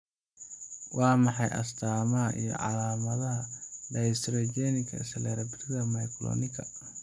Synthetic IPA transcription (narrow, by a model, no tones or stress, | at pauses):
wɑːmɑħɑjʔɐ̰st̪ʰaːmɐɦɐʔḭjɔ̰ʕɑ̰laːmɐðɐɦɐdɐjst̪ɾɔd͡ʒɛnɪkʰɐ̰sɐlɛːɾɐbɪrɪðɐmɐjkʰlɔ̰ːnɪkʰɐ